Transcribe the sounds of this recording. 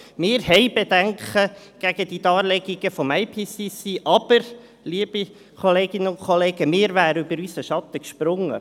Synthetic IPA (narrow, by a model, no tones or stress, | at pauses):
mɪːɾɦɛɪbed̥̪æŋkχə | ɡ̥æɡ̥əd̥̪id̪ɑːɾlɛɡiɡ̥əfɔmaɪpʰiːsisiːʔɑb̥əɾ | liːb̥i | kʰɔleːɡ̥ɪnːənʊnkχɔleːɡ̥əmɪːɾvæːɾəybəɾysəʃɑt̪əkʃpɾʊŋːə̰